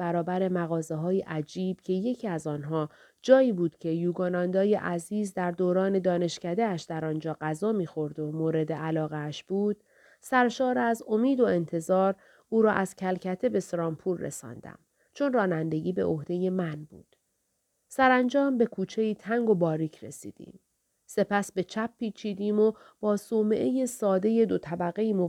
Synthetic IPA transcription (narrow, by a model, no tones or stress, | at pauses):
bæɾɒːbæɾe̞mæɣɒːzeɦɒːjeʔæd͡ʒiːb̥cʰe̞je̞cʰiːæzɒːnɦɒː | d͡ʒɒːiːbuːd̪̥cʰe̞juːɡɒːnɒːnd̪ɒːjeʔæziːzd̪æɾd̪oːɾɒːne̞d̪ɒːne̞ʃcæd̪eæʃd̪æɾɒːnd͡ʒɒːɢæzɒːmiːxo̞ɾd̪omoːɾe̞d̪eʔælɒːɣeæʃb̥uːd̪̥ | sæɾʃɒːɾeæzo̞miːd̪o̞e̞nt̪ʰe̞zɒːɾ | uːɾɒːʔæz̥cʰælcʰæt̪ʰe̞be̞sɾɒːmpʰuːɾːḛsɒ̰ːnd̪æ̰m | t͡ʃʰo̞nrɒːnænd̪e̞ɟʲiːbeʔohd̪̥e̞je̞mænbṵːd̪̥ | sæɾænd͡ʒɒːmbe̞kʰuːt͡ʃʰe̞iːt̪ʰæŋɡo̞bɒːɾiːkʰɾe̞̰sḭːd̪̥ḭːm | se̞pʰæsbe̞t͡ʃʰæpʰːiːt͡ʃʰiːd̪iːmo̞ | b̥ɒːsoːmeʔeje̞sɒːd̪e̞je̞d̪o̞t̪ʰæbæɣe̞iːmo